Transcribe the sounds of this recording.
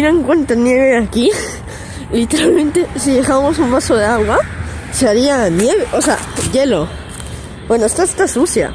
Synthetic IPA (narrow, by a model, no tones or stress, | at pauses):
iɾaeŋkwent̪anjeβeaki | lit̪eɾalmẽnt̪esiðexamos̬umbasoðeaɣwaseaɾianjeβeʔosea̰jelo | bwenoest̪ast̪asusja̰